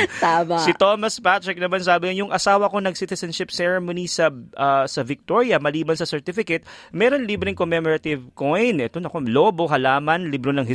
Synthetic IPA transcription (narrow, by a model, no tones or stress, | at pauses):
t̪aːmasɪt̪oːmɐspat̪ɹɛk̚nɐmansaːbɪjʊŋʔɐsaːwɐko̞nɐɡ̚sit̪ɛsɐnʃɪp̚sɛɹɛmonisɐʔɐsɐvɪk̚t̪oɹjɐmɐliːbɐnsɐsɛɹt̪ɪfɪkɛt̪̚mɛːɾonliːbɾɪŋkomɛmɔɾɐt̪ɪvkojnʔɛt̪onɐkoloːbo̞ɦɐlaːmɐnlibɾonɐŋɪ